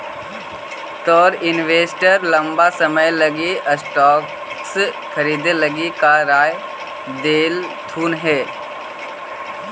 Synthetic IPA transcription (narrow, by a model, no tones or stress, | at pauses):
t̪ɔːɾɪnʋeːsʈəɾlɐ̃mbasəməjlɐɡiʔəsʈɔːk | s | kʰɐɾiːd̪elɐɡikaɾaːj | d̪eːlt̪ʰuːnɦɛː